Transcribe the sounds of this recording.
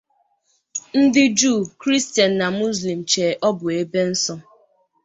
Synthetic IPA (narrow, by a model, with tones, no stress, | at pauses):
n̩˦dɪ˦d͡ʒuː˦˨kɾi˦sti˨a˨n̩na˨mu˦zli˨m̩˨t͡ʃeː˨ʔɔ˦bʊ˨e˦be˦n̩˦sɔ˦